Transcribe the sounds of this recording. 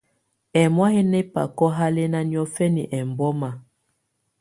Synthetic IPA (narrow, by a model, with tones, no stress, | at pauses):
ɛ˨mwa˦he˦nɛ˦pa̰˨kɔ˦ɦa˦le˦na˦njɔ˦fɛ˦ni˨ʔɛ˨mbɔ˦ma˨